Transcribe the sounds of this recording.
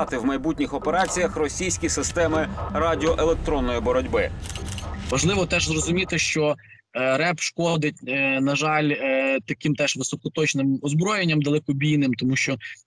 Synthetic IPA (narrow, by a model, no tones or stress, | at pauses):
t̪ɪwmɐjbut̚ʲnʲixɔpeɾɑt͡sʲijɐxrɔsʲijsʲkʲisɪst̪ɛmɪɾɑdʲɪɔʔelˠek̚t̪ɾɔnːɔjibɔɾɔdʲbɪ | ʋɐʒlˠɪʋɔt̪ɛʒzrɔzʊmʲit̪ɪʃt͡ʃɔ | ɾɛpʃkɔd̪ɪt̚ʲnɐʒɑlʲt̪ɐkimt̪ɛʒʋɪsɔkɔt̪ɔt͡ʃnɪmɔzbɾɔjenʲːɐmd̪ɐlˠɛkɔbʲijnɪmt̪ɔmuʃt͡ʃɔ